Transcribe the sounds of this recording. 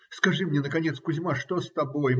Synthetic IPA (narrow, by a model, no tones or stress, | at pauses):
skaʐɨmnʲɛnəkanʲɛt̪skʊzʲmaʂt̪ɔst̪aboj